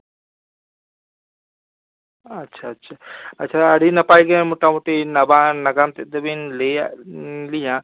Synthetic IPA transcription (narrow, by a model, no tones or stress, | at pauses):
ɐtːʃʰaɐtːʃʰaɐtːʃʰaɐɽinɐpaiɡeẽmoʈamoʈinɐbãnɐɡamt̪ed̪ɐbenle | lijã